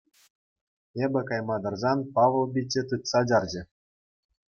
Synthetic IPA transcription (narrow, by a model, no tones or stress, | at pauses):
ebʲɘ̆kɑjmɑd̪ɤ̆rzɑnpɑʋɤ̆lˠbʲit͡ɕʲːɘ̆t̪ɯt̪sɑd͡ʑɑrd͡ʑɘ̆